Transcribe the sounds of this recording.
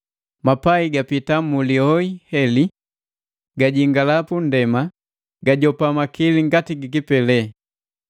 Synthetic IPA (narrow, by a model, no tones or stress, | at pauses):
mapaiɡapitamuliɔihɛli | ɡaɟiŋɡalapun̩dɛma | ɡaɟɔpamakiliŋɡatiɡikipɛlɛ